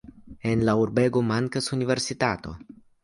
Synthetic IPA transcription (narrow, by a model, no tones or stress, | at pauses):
enlauɾbeɡomaŋkasuniveɾsit̪at̪o̰